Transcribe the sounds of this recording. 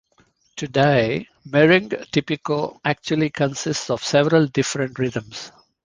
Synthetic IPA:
ʈuɖeɪ | mɛɾɪ̃ŋɡʈɪpɪkoæk̚t͡ʃuəlikə̃nsɪsʈsɔʋsɛʋəɾəlɖɪfɾə̃ɳʈɾɪd̪ə̃ms

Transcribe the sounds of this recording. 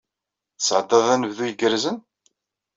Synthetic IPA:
θsːʕəd̪ːɑðˤænəvðujəɡəɾzən

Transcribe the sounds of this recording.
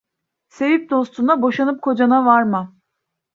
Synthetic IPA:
se̞vip̚d̪o̞st̪ʰunabo̞ʃanɯp̚kʰo̞d͡ʒanavaɾmɯ

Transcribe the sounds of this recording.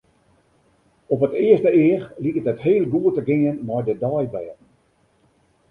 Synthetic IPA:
ɔpətɪəstəɪːrlikətətheːlˠɡuətəɡɪənmɔjdədɔjbɛːtn̩

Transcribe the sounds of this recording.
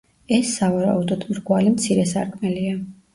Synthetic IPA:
ɛsːavaɾa̰ud̪ɔd̪̥mɾɡwalimt̪sʰiɾɛsaɾkʰmɛlia

